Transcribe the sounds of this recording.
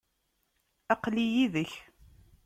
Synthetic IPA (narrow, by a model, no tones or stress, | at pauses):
æqlijiðəç